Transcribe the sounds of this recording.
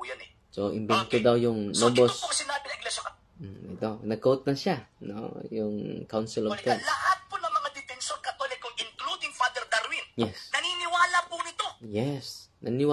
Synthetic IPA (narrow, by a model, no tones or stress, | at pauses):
jonɛ | soʔɪ̰mbɛnt̪od̪awjʊŋnobosokɐsɪnaːbɪnɐɡlɛsokɐ | ɛt̪onɐɡ̚kot̪̚nɐʃano̰jʊŋkawnsɛlovt̪ɛlɐhat̪̚ponɐŋmɐŋad̪ɪp̪ɛnsonkɐt̪olɪkːʊŋɪŋklud̪ɪŋfad̪ɛɾd̪ɐɾwinjɛsnɐninɪwaːlɐpʊnɪt̪o̞jɛsnɐnɪwa